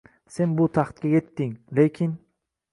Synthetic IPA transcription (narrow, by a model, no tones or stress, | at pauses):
se̞nbʊt̪ʰaχt̪̚kʲaje̞t̪ːɪŋlekʲʰɪn